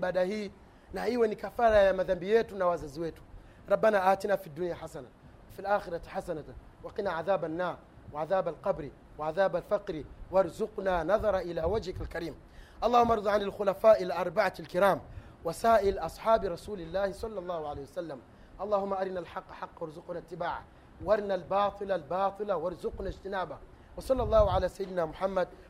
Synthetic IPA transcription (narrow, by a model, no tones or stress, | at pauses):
baːdahiː | nahʔiːwanikafaːɾajamaðambɪjːeːt̪unawaːzazweːt̪u̥ | ɾˤɑbːanaʔaːt̪inafid̪ːunjaħasana | wafilʔaːxɪɾˤɑħasana | wɑqinaʕaðaːbanːaːɾˤ | waʕaðaːbalqɑbɾi | waʕaðaːbalfɑqɾiwɑɾˤzʊqnanɑðˤɑɾˤɑʔɪlaːwad͡ʒhɪkalkaɾiːm | ʔɑlˤːɑːhumːaʔɑɾˤd̪ˤɑʕanalxʊlafaːʔɪlaʔɑɾˤbaʕaalkɪɾaːm | wasaːʔɪlʔɑsˤħɑːbɾˤɑsuːlɪlːaːhisˤɑlːɑlˤːɑːhuʕaleːhiwasalːam | ʔɑlˤːɑːhʊmːaʔaɾnalħɑqːħɑqːwɑɾˤzʊqnat̪ːɪbaːʕa̰ | wɑɾˤnalbɑːt̪ˤɨlalbɑːt̪ˤɨlawɑɾˤzʊqnad͡ʒt̪ɪnaːba | wɑsˤɑlːɑlˤːɑːhuʕalaːsajːɪd̪namʊħamːad̪̚